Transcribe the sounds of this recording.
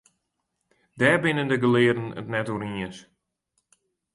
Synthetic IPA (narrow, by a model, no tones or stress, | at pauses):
dɛːbɪnəndəɡəlɪədənə̰tnɛtuɾiəs